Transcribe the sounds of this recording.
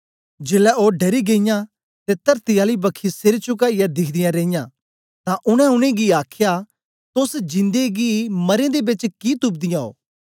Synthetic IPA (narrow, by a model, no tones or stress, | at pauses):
d͡ʒeːlɛoːɖɐɾiɡeːɪjã | t̪et̪ɐɾt̪ɪjaːlibɐkʰisɪɾt͡ʃʊk̬aijad̪ɪkʰd̪ɪjãɾẽːɪjã | t̪ãʔʊɽ̃ɛ̃ʊɽ̃ẽɡiaːkʰja | t̪ʊsd͡ʒɪ̃nd̪eɡimɐɾẽd̪ebɪt͡ʃkit̪ʊb̚d̪ɪjão̰ː